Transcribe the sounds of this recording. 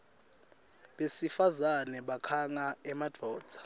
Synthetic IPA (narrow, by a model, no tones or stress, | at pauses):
ɓesifazanɛɓakʰaŋaɛmad̥ʱɔːd̥z̥ʱḁ